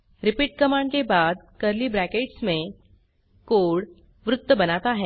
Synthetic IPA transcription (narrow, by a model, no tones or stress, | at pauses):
ɾɪpiːʈ̚kəmãɳɖkebaːd̪kəɾlibɾækeʈsmẽ | koːɽ | ʋɾʊt̪ːəbənat̪aɦɛ